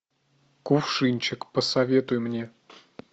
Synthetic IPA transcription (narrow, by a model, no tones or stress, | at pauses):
kʊfʂɨnʲt͡ɕɪkpəsɐvʲe̞t̪ʊjmnʲe